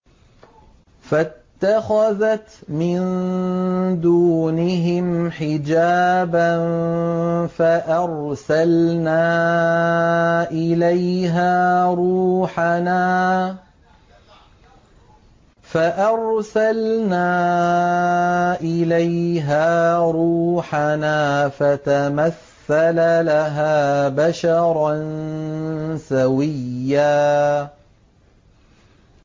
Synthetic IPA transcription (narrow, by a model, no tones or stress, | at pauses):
fat̪ːaxaðat̪mɪn | d̪uːnɪɦɪmħɪd͡ʒaːban | faʔɑɾ | salnaː | ʔɪlajɦaːɾˤuːħanaː | faʔɑɾˤsalnaː | ʔɪlajɦaːɾuːħanaːfat̪amaθːalalaɦaːbaʃɑɾˤɑn | sawɪjːaː